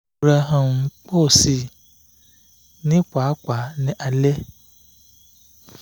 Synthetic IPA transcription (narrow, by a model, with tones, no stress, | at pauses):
bɾa˨ɦã˨m˨k͡po˦˨si˨ | nĩ˦k͡pʷa˨˦k͡pʷa˨nĩ˦ʔa˨lɛ˦